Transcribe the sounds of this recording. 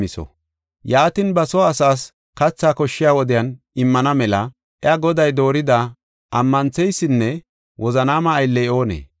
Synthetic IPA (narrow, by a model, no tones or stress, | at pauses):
mɪsɔ̰ | jaːt̪ɪnbɐsɔːsaːs | kɐt͡sːaːkɔʃːɪjaːwɔd̪ɪjɐn | ɪmːɐnɐmɛlɐ | ʔɛɐɡɔd̪ɐjd̪o̞ːɾɪd̪ɐ | ʔɐmːɐnt͡sːɛjsːɪnːɛ | wɔzɐnaːmɐːjlːɛo̞ːnḛː